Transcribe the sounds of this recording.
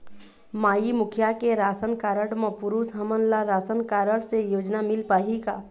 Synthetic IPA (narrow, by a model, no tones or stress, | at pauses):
maːimʊkʰjakeɾaːsənkaːɾəɽməpʊɾuːsɦəmənlaɾaːsənkaːɾəɽsejoːd͡ʒnamɪlpaːɦika